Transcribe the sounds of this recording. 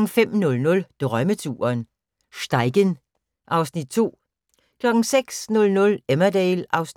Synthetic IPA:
ŋ̩fem̰nɔ̽lnɔ̽ld̥ʁœmət͡sʰṵːɐn | sd̥ɑ̈ɪɡ̥ən | ʔɑ̈ʊsnid̥̚t͡sʰo̝̰ː | kʰlɒ̽ɡ̥ŋ̩seɡ̥snɔ̽lnɔ̽lemɐd̥ɛɪlʔɑ̈ʊsn

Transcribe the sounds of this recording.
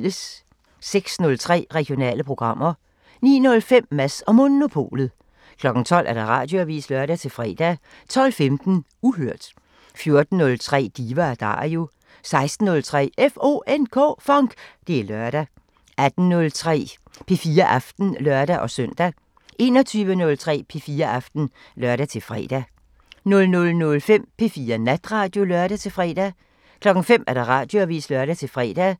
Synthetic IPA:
ləs | seɡ̥snɔ̽lt͡sʰʁɛ̰ːʁɛɡ̥jo̝nɛ̰ːləpʰʁo̝ɡ̥ʁɑ̈m̰ɐ | nḭːnɔ̽lfem̰ːæsɒ̽mo̝no̝pʰo̝̰ːlð̩ˠ | kʰlɒ̽ɡ̥n̩t͡sʰɒ̽l̰ʔæɐɾ̥ɑ̈ʁɑ̰̈ːd̥jo̝æʋḭːslɶɐɾ̥æt͡sʰe̝lfʁɛ̰ːd̥æ | t͡sʰɒ̽l̰femd̥n̩ | uɦøɐ̰d̥ | fjo̝ɐd̥n̩ːɔ̽lt͡sʰʁɛ̰ːd̥iːʋɐæɐd̥ɑ̰̈ːo̝ | sɑ̈ɪsd̥n̩ːɔ̽lt͡sʰʁɛ̰ːefo̝̰ːʔenkʰɔ̰ːfɒ̽ŋɡ̥d̥e̝æɐlɶɐɾ̥æ | æd̥n̩nɔ̽lt͡sʰʁɛ̰ː | pʰe̝fiːɐʔɑfd̥n̩lɶɐɾ̥æʔɒ̽sœn̰d̥æ | e̝nɒ̽t͡sʰyːʋənɔ̽lt͡sʰʁɛ̰ːpʰe̝fiːɐʔɑfd̥n̩ | lɶɐɾ̥æt͡sʰe̝lfʁɛ̰ːd̥æ | nɔ̽lnɔ̽lnɔ̽lfem̰pʰe̝fiːɐnæd̥ʁɑ̈ːd̥jo̝lœɐɾ̥æt͡sʰe̝lfʁɛ̰ːd̥æ | kʰlɒ̽ɡ̥ŋ̩fem̰æɐd̥ɑ̈ʁɑ̈ːd̥joæʋḭːslɶɐɾ̥æt͡sʰe̝lfʁɛ̰ːd̥æ

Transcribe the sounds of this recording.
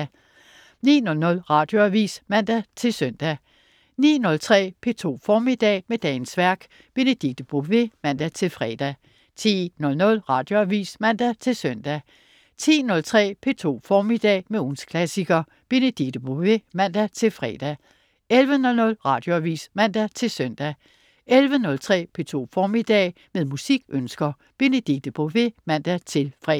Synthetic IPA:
nḭːnɔ̽lnɔ̽lʁɑ̈d̥jo̝æʋḭːsmæn̰d̥æt͡sʰe̝lsœn̰d̥æ | nḭːnɔ̽lt͡sʰʁɛ̰ːpʰe̝t͡sʰo̝̰ːfɒːmid̥ɛ̰ːmed̥ɛːnsʋæɐ̰ɡ̥ | b̥e̝nəd̥iɡ̥̚d̥b̥ʁuʋe̝mæn̰d̥æt͡sʰe̝lfʁɛd̥æ | t͡sʰḭːnɔ̽lnɔ̽lʁɑ̈d̥jo̝æʋḭːsmæn̰d̥æt͡sʰe̝lsœn̰d̥æ | t͡sʰḭːnɔ̽lt͡sʰʁɛ̰ːpʰe̝t͡sʰo̝̰ːfɒːmid̥ɛ̰ːmeunskʰlæsiɡ̥ɐ | b̥e̝ned̥iɡ̥̚d̥əb̥oʋemæn̰d̥æt͡sʰe̝lfʁɛ̰d̥æ | elʋənɔ̽lnɔ̽lʁɑ̈ːd̥jo̝æʋḭːsmæn̰d̥æt͡sʰe̝lsœn̰d̥æ | elʋənɔ̽lt͡sʰʁɛ̰ːpʰe̝t͡sʰo̝̰ːfɒːmid̥ɛ̰ː | meðˠmusiɡ̥ʔønsɡ̥ɐ | b̥e̝ned̥iɡ̥̚d̥əb̥oʋe̝mæn̰d̥æt͡sʰe̝lfʁɛ

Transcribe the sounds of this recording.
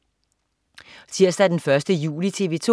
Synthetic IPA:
t͡sʰiɐ̰sd̥æd̥enfɶɐsd̥əjṵːlit͡sʰe̝ːʋe̝ːt͡sʰo

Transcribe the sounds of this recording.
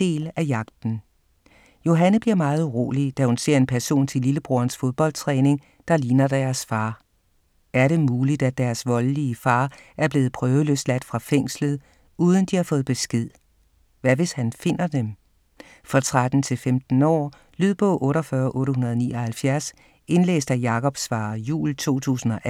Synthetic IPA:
d̥e̝̰ːlæjɑ̈ɡ̥d̥n̩ | jo̝ɦænəb̥liɐmɑ̈ːð̞̩ˠʁo̝̰ːlid̥æhunse̝ɐ̰e̝npʰæɐso̝̰ːnt͡sʰe̝liləb̥ʁuɐnsfo̝ð̞ˠb̥ɒ̽l̰d̥t͡sʰʁɛːne̝ŋ | d̥ɑ̈liːnɐd̥æɐsfɑ̈ː | æɐɾe̝muːlid̥æ̥æɐsʋɒ̽lliəfɑ̈ːʔæɐb̥le̝ːð̩ˠpʰʁœːʊəløslæd̥fʁɑ̈feŋ̰slð̞̩ˠ | uːð̞ˠən̩d̥ihɑ̈fɔ̽ːð̩ˠb̥e̝sɡ̥e̝ð̞̰ˠ | ʋæʋe̝shænfe̝n̰ɐd̥em | fʁɑ̈t͡sʰʁad̥n̩t͡sʰe̝lfemd̥n̩ɒ̰ː | lyð̰ˠb̥ɔ̰̽ʔɔ̽ːɾɒfɶːɐʔɔ̽ːɾəɦunɐð̞ˠniːɒ̽hælfjæɐs | e̝nlḛːsd̥æjɑ̈kʰɒ̽b̥sfɑ̈ːjṵːlt͡sʰo̝̰ːt͡sʰṵːsn̩ɒ̽ʔæ

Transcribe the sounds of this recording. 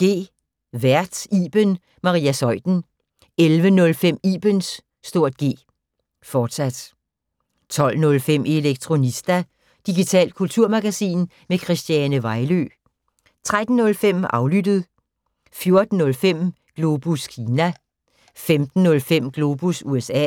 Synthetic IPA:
ɡ̥e̝̰ː | ʋæɐ̰d̥iːb̥ən | mɑ̈ʁiːæsɒ̽ɪ̰d̥n̩ | elʋənɔ̽lfem̰iːb̥ənsː | d̥o̝ɐ̰d̥ɡ̥e̝̰ː | fɒːd̥sæd̥ | t͡sʰɒ̽l̰nɔ̽lfem̰ʔe̝leɡ̥̚t͡sʰʁo̝nisd̥æ | d̥iɡ̥it͡sʰɛ̰ːl̥̚kʰult͡sʰuɐ̰mɑɡ̥æsḭːn | mekʰʁisd̥jænəʋɑ̈ɪlø̰ | t͡sʰʁad̥n̩ːɔ̽lfem̰ɑ̈ʊlyd̥əð̞̩ˠ | fjo̝ɐd̥n̩ːɔ̽lfem̰ | ɡ̥lo̝b̥uskʰiːnæ | femd̥n̩ːɔ̽lfem̰ɡ̥lo̝b̥usuesɛ̰ː

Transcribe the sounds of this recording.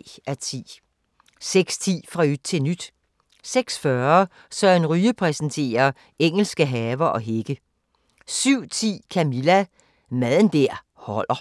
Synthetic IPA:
æt͡sʰḭː | seɡ̥st͡sʰḭːfʁɑ̈yd̥̚t͡sʰe̝lnyd̥ | seɡ̥sfɶɐɐ | sɒ̽enʁyːəpʰʁɛsn̩t͡sʰe̝̰ːɐ | eŋ̰l̩sɡ̥əɦɛːʋɐʔɒ̽ɦe̝ɡ̥ə | syʊ̰t͡sʰḭːkʰæmilæ | mæðˠənd̥ɛɐ̰ | hɒ̽l̰ɐ

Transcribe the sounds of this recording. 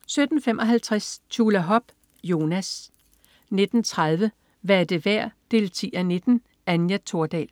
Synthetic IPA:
sød̥n̩femʔɒ̽ɦælt͡sʰʁast͡ɕʰulæɦɒ̽b̥ | jo̝ːnæs | ne̝d̥n̩t͡sʰʁað̞ˠʋə | ʋæɐd̥eʋæɐ̰d̥e̝̰ːlt͡sʰḭːæne̝d̥n̩ | ænjæt͡sʰo̝ɐd̥ɛ̰l

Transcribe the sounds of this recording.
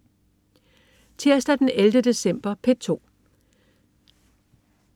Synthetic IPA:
t͡sʰeɐsd̥æd̥eneld̥əd̥e̝sem̰b̥ɐpʰet͡sʰo̝̰ː

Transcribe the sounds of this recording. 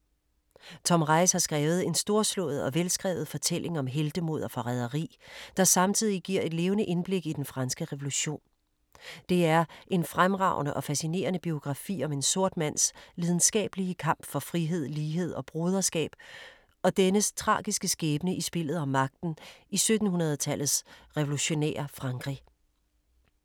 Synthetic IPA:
t͡sʰɒ̽mʁɑ̈ɪshɑ̈sɡ̥ʁɛːʊð̞̩ˠe̝nsd̥o̝ɐslɔ̰ːð̞̩ˠɒ̽ʋelsɡ̥ʁɛ̰ːʊð̞̩ˠfɒ̽t͡sʰel̰ʔe̝ŋɒ̽mɦeld̥əmo̝ð̞̰ˠɐfɒ̽ʁæð̞ˠɐʁḭːd̥ɑ̈sɑ̈mt͡sʰið̞̰ˠiɡ̥iɐ̰e̝d̥le̝ːʊnəʔe̝nb̥le̝ɡ̥id̥enfʁɑ̈nsɡ̥əʁɛʋo̝luɕo̝̰ːn | d̥e̝æɐʔe̝nfʁamʁɑ̈ʊ̰nəʔɒ̽fæsine̝̰ːɐnəb̥io̝ɡ̥ʁɑ̈fḭːɒ̽me̝nso̝ɐ̰d̥mæn̰sʋið̞ˠn̩sɡ̥ɛ̰ːb̥əliəkʰɑ̈m̰b̥fɒ̽fʁiɦe̝ð̞̰ˠliːɦe̝ð̰ˠɒ̽b̥ʁoːð̞ˠɐsɡ̥ɛ̰ːb̥ | ɒ̽d̥enəst͡sʰʁɑ̰̈ːɡ̥isɡ̥əsɡ̥eːb̥ənəʔisb̥e̝l̰ð̩ˠɒmːɑ̈ɡ̥̚d̥n̩isød̥n̩ɦunɐð̞ˠt͡sʰæl̰ð̩ˠsʁɛʋo̝luɕo̝nḛːɐfʁɑ̈ŋɡ̥ʁḭ

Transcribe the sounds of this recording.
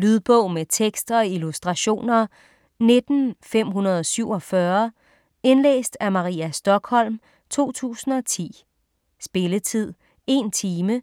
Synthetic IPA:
lyðˠb̥ɔ̽ʊ̰met͡sʰeɡ̥sd̥ɐɒ̽ilusd̥ʁɑ̈ɕo̝̰ːnɐ | ne̝d̥n̩fem̰ɦunɐð̞̩ˠɒ̽syʊ̰ɒ̽fɶɐ | e̝nlḛːsd̥æmɑ̈ʁḭːæsd̥ɒ̽ɡ̥hɒ̽l̰m | t͡sʰo̝̰ːt͡sʰṵːsn̩ɒ̽t͡sʰḭː | sb̥e̝lət͡sʰið̞̰ˠ | e̝nt͡sʰiːmə

